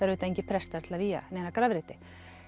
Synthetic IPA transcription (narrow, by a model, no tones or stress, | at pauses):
θaɾvʏːt̪aejɲcɪpʰɾɛst̪aɾt̪ʰɪlaviːja̰neːnakɾaːvɾɪːt̪ɪ̥